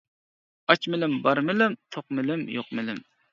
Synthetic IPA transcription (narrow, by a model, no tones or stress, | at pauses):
ɑt͡ʃmɪlɪmbɑɾmɪlɪmt̪ʰoqmɪlɪmjoq̚mɪlɪm